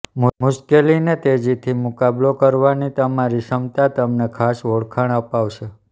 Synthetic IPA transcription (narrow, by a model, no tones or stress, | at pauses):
mmuʃkelinet̪ed͡ʒit̪ʰimukablokəɾʋanit̪əmaɾiʃəmt̪at̪əmnekʰasoɽkʰaɳ̃əpaʋʃʰe